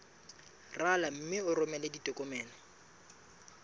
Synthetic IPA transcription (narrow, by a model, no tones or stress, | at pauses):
ralam̩mɪʊrʊmɛleditʼɔkʼɔmɛːnɔ